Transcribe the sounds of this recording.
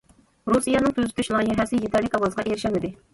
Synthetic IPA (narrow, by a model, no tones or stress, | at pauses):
ɾusijɑnɨŋt̪ʰøzy̥t̪ʰyʃlˠɑɑjɛɦɛsɪjet̪ʰæɾlɪkɑwɑzəʁɑʔeɾɪʃɛmɪd̪ɪ